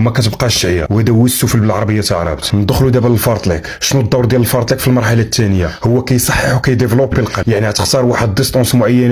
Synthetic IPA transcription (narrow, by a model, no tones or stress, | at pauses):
mækæt̪əbqɑʃʕja̰whæd̪æwəsːufəlbəlʕɑɾˤɑbəjːat̪əʕɑɾˤɑ̰bt̪nəd̪əxlud̪æbələlfɑɾˤt̪ˤlikʃnud̪ˤːɑwɾd̪jæləlfɑɾt̪ˤlikfilmɑɾˤħalat̪ʰːænəjːahʊwːækæjsˤɑħːəħwkæjd̪evlopːilqɑjaʕniʕat̪ə̥qt̪ɑɾˤwaħəd̪ːəst̪ˤɑ̃nsmʊʕajːæn